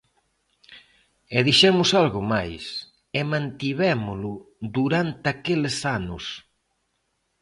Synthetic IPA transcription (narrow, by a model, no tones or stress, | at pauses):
ɛðiʃɛmʊsalɣʊmajs | ɛmãnt̪iβɛmʊlʊd̪uɾant̪ɪakelɪsanʊ̰s